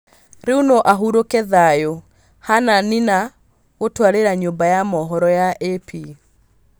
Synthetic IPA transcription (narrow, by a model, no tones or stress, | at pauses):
ɾeunoʔaɦuɾokɛðajo | hananina | ɣotwaɾeɾaɲombajamɔɦɔɾɔjaʔepi